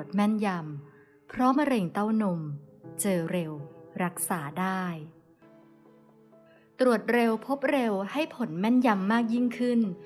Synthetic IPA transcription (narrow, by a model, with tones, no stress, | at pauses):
ət̪̚mɛ˥˩nja˧m | pʰɾɔ˦˥ma˧ɾe˧ŋt̪a˥˩wno˧mt͡ɕɤː˧ɾe˧wɾa˦˥k̚saː˩˦daː˥˩j | t̪ɾu˨˩ət̪̚ɾe˧wpʰo˦˥p̚ɾe˧wha˥˩jpʰo˩˦nmɛ˥˩nja˧mːaː˥˩k̚ji˥˩ŋkʰɯ˥˩n